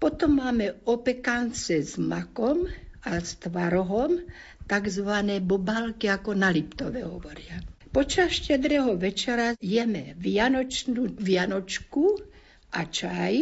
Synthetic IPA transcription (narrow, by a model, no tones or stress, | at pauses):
pɔt̪ɔmːaːmɛɔpɛkant͡sɛzmakɔmast̪ʋaɾɔɦɔm | t̪aɡzʋanɛːbɔbalkiakɔnalipt̪ɔʋɛɦɔʋɔɾɪapɔt͡ʃasʃcɛd̪ɾɛɦɔʋɛt͡ʃɛɾajɛmɛʋjanɔt͡ʃnuʋɪjanɔt͡ʃku | ʔat͡ʃaj